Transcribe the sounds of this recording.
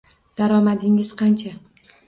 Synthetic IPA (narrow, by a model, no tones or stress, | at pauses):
d̪̥aɾɒmad̪ɪŋɪz̥qʰɑnt͡ʃʰa